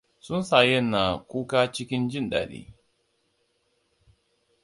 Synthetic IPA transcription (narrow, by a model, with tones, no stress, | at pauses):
sʊ˦nsa˨jɛ˦˨nːa˨kʷuː˦kaː˦t͡ʃɪ˦kʲɪ˦nd͡ʒɪ˦nɗa̰ː˨ɗḭː˦